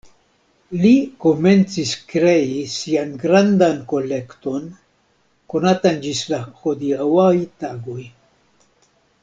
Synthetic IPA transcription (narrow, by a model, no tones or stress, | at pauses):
liko̞me̞nt͡siskɾe̞isianɡɾandanko̞le̞kto̞n | ko̞natand͡ʒislaxo̞diawajtaɡo̞j